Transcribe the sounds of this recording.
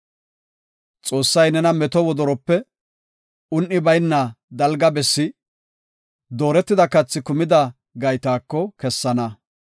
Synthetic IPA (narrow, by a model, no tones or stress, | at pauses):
t͡sʼo̞ːsːɐjnɛnɐmɛt̪ɔwɔd̪ɔɾɔpːɛ | ʊnʔɪbɐjnːɐ | d̪ɐlɡɐbɛsːɪ | d̪o̞ːɾɛt̪ːɪd̪ɐkɐt͡sːɪkʊmɪd̪ɐ | ɡɐjt̪aːkːɔkɛsːɐnɐ